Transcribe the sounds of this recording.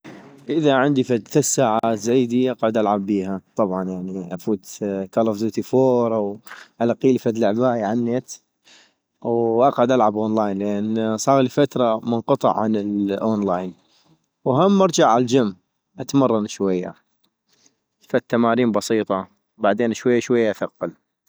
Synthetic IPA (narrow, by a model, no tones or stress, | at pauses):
ʔɪðaʕɪnd̪ifad̪θɪssːaːʕaːt̪zajd̪iʔɑqʕʊd̪ʔalʕabːiːɦat̪ˤɑbʕɑnjaʕniʔafuːt̪kalofzoːt̪ifoːɾˤʔawʔalaqːiːlifad̪laʕbaːʔjʕanːet̪ | wʔɑqʕʊd̪ʔalʕabʔoːnlaːjnlʔensˤɑːɣlifat̪ɾˤɑmənqɑt̪ˤɑ̰ʕːanɪlʔoːnlaːjn | wɦamːɑɾˤd͡ʒaʕald͡ʒamː | ʔat̪mɑrˤːɑnʃwajːa̰ | fat̪ːamaːɾiːmbɑsˤiːt̪ˤɑ | baʕd̪eːnʃwajːaʃwajːaʔaθaqːɑl